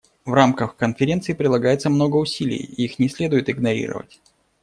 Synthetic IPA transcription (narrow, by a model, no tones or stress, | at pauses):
vramkəxkənfʲɪɾʲe̞nt̪sɨɪpɾʲɪd̪lˠɐɡajɪt̪səmno̞ɡəʊsʲilʲɪ̰jḭixnʲɪsʲlʲe̞d̪ʊjɪt̪ɪɡnɐɾʲḭɾə̰və̰tʲ